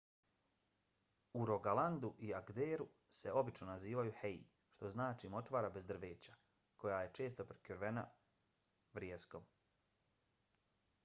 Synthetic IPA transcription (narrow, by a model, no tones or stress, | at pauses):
uɾo̞ɡalˠand̪uʔiaɡd̪eːɾu | se̞ʔo̞bit͡ʃno̞naziːʋajuhej | ʃt̪o̞znaːt͡ʃimo̞tʋaːɾabe̞zd̪r̩ʋeːt͡ɕḁ | ko̞jaːje̞t͡ʃe̞ːst̪o̞pɾe̥kʲjoɾʋe̞na̰ | ʋɾjeːskom